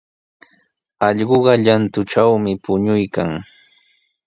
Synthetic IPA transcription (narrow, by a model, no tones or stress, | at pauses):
ɑʎɢoɢɑʎant̪ʊʈ͡ʂawmɪpʊɲʊjkaŋ